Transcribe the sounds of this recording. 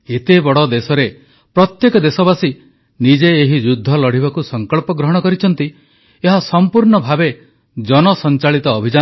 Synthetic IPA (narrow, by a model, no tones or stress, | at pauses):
et̪ebɔɽɔd̪esɔɾe | pɾɔt̪jekɔd̪esɔbasi | nid͡ʒeːɦid͡ʒud̪ʱːɔlɔɽ̤iβakusɔŋkɔɭpɔɡɾɔɦɔɽ̃ɔkɔɾit͡ʃʰɔnt̪i | eɦasɔmpuɾɳɔbʱabe | d͡ʒɔnɔsɔnt͡ʃaɭit̪ɔːbʱid͡ʒa